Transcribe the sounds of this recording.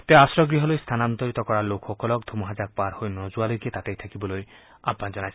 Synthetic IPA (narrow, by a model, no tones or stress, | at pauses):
t̪easɾɔɡɾiɦɔlojst̪ʰanant̪ɔɾit̪ɔkɔɽalokʰxɔkɔlɔkd̪ʱomɔɦad͡ʒak̚paɾhojnɔd͡ʒualoket̪at̪ejt̪ʰakibɔloj | abːad͡ʒɔnajt͡ʃʰ